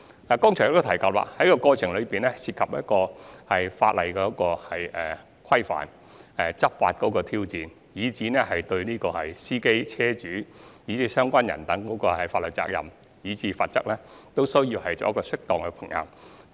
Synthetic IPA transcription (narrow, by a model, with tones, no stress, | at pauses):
laː˨˩kɔː˥ŋt͡ʃʰœ˨˩jkɔ˧t̪ʰjkaː˧t̚wa̰ː˨˩hɐ˨˥jkɔː˧kɔː˧t͡sʰɪ˨ŋlɵ˨˧ɥpiː˨˩nɛ˥siː˧t̚kʰɐ˨p̚jɐ˥t̚kɔː˧hɐ˨jfa̰ː˧t̚lɐ˨˩jkɛː˧˥kɔː˧hɐ˨jʔɛː˨˩ | kʰɐ˥jfa̰ː˨˩n | ɛː˨t͡sɐ˥p̚fa̰ː˧t̚kɔː˨˥kɔː˧t̪ʰiː˥wt͡siː˨n | jiː˨˧t͡siː˨˥nɛ˥ɦɐ˨jt̪ɵ˧ɥniː˥kɔː˧hɐ̰˨jsiː˥ke˥jt͡sʰɛː˥t͡ʃyː˨˥jiː˨˥t͡siː˨˥sœː˥ŋkʷaː˥njɐ̰˨˩nt̪ɐ˨˥ŋkɔː˨˥kɔː˧hɐ˨˩jfaː˧t̚lɵ˨˩t͡sa̰ː˧k̚jɐ̰˨m | jiː˨˧˥t͡siː˨˥faː˧t̚t͡sɐ˥k̚lɛː˥t̪o˥wsɵ˥ɥjiː˧whɐ˨jt͡ɕɔ̰˨˥jɐ˥kɔː˧sɪ˥k̚t̪ɔː˨ŋkɛ˧pʰɪ˨˩ŋjɐ̰˧w